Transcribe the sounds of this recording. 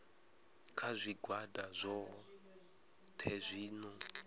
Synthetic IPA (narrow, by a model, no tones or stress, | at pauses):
kʰazʷiɡʱwadazʷɔ | tʰezʷiːnɔ